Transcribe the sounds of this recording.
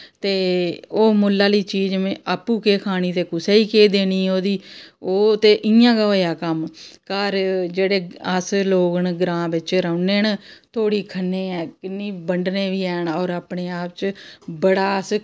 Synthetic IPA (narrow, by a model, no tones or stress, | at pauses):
t̪eːoːmʊlːaːliːt͡ʃiːd͡ʒmẽːʔaːpːuːkeːkʰaːñiːt̪eːkʊseːiːkeːd̪eːniːoːd̪iːoːt̪eːʔɪjãːɡəʋaːjaːkəmkaːɾd͡ʒeːɽeːəsloːɡəɳɡɾãːbɪt͡ʃɾəʊneːnt̪ʰoːɽiːkʰənːeːɛːkɪnːiːbəɳɖneːʋiːɛːɳɔːɾaːpɳeːaːp̚t͡ʃbəɽaːs